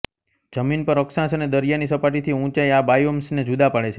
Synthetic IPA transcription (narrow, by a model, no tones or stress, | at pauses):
d͡ʒəminpəɾəksãsəned̪əɾijanisəpaʈit̪ʰiũt͡ʃajabajomsned͡ʒud̪apəɭet͡ʃʰe